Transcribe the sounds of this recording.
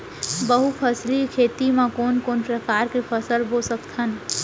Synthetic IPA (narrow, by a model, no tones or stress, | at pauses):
bəɦupʰəslikʰeːt̪imãkoːnkoːnpɾəkaːɾkepʰəsəlbosək̚t̪ɦən